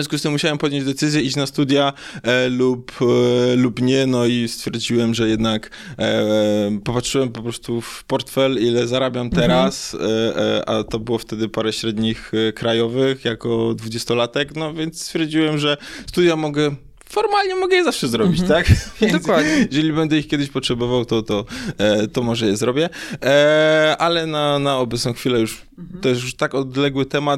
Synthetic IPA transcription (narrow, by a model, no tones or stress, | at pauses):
vjɔ̃skust̪ɘmːuɕawɛmpɔd̪ʲjɔɲd͡ʑd̪ɛt̪sɘzʲjɛit͡ɕnast̪ud̪ʲja | lup | lupɲɛnɔist̪fʲjɛɾd͡ʑiwɛmʐɛjɛd̪nak | pɔpatʂɘɨwɛmpɔpɾɔst̪ufpɔɾt̪fɛlilɛzaɾabʲjamt̪ɛɾas | a̰t̪ɔbɘwɔft̪ɛd̪ɘpaɾɛɕɾɛd̪ɲixkɾajɔvɘxjakɔd̪vud͡ʑɛst̪ɔlat̪ɛknɔvʲjɛnt̪st̪fʲjɛɾd͡ʑiwɛmʐɛst̪ud̪jamɔɡɛ | fɔɾmalɲɛmɔɡɛjɛzafʂɛzɾɔbʲit͡ɕt̪akvʲjd̪d̪ɔwad̪ɲɛjɛʐɛlʲibɛnd̪ɛixkʲɛd̪ɪɕpɔtʂɛbɔvawt̪ɔt̪ɔt̪ɔmɔʐɛjɛzɾɔbʲjɛ | alɛnanaɔbɛt̪sɔ̃w̃xfʲilɛjuʂ | t̪ɔjɛs̬juʂt̪akɔd̪lɛɡwɘt̪ɛmat̪